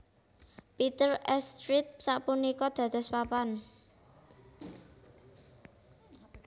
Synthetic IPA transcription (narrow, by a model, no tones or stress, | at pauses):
pit̪ərɛst̪ɾɪt̪̚saʔpunikɔd̪̥ä̤d̪̥a̤spapan